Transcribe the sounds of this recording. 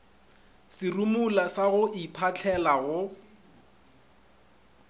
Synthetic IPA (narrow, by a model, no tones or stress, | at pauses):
sɪrumulasaɣʊʔipʰat͡ɬʰɛlaɣʊ